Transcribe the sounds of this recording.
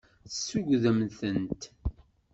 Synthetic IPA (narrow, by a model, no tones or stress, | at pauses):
θsːuɡðəmθənt̪